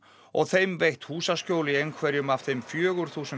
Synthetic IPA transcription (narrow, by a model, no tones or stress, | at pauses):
ɔɣθejmvejht̪huːsascoːwliejŋkʰvɛɾjʏmafθejmfjœːɣʏɾ̥θuːsʏ